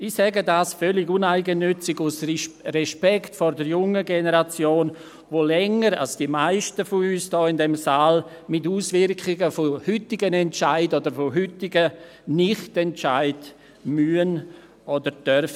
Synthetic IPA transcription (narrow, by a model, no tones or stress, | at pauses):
ɪsɛɡədaːsfœlɪɡʊnaɪɡənːʏt͡sɪɡʊsrɛʃpɛktfɔɾdəɾjʊŋəɡenəɾat͡sjoːn | voːlɛŋəɾa̰lsd̥imaɪʃtəfoyːsd̥ɔːɪndɛmsaːl | mɪtuːsvɪɾkɪɡəfohʏtɪɡənɛntt͡ʃaɪdodəɾfoɦʏtɪɡə | nɪχtɛntt͡ʃaɪd̥ | myən | ʔɔdəɾd̥œrfə